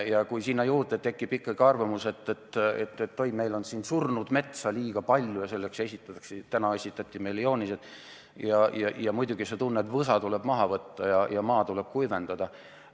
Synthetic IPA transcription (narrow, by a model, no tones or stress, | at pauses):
jɑkujsinːɑjuːrd̪et̪e̞kːib̥ikːˑɑɡ̥iɑrvɑmuse̞t̪ːˑet̪ːḛt̪ːet̪ːo̞jme̞jlo̞nsiːnsurnud̪̥me̞t̪sɑliːɡ̥ɑpɑlʲjujɑse̞lːekse̞sʲit̪ːˑɑt̪ɑkst̪ænɑe̞sʲit̪ːˑɑt̪ʲːˑime̞jljo̞ːnised̪ | jɑjɑjɑmujd̪uɡ̥ise̞t̪unːet̪vɤsɑt̪uleb̥mɑɦɑvɤt̪ːɑjɑjɑmɑːt̪uleb̥̚kujve̞nd̪̥ɑd̪̥ɑ